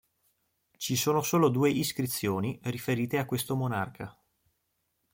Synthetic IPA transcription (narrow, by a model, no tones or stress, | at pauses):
t͡ʃisoːnosoːlod̪uːeʔiskɾit̪sːjoːnirifeɾiːt̪eakːwest̪omonarkʰa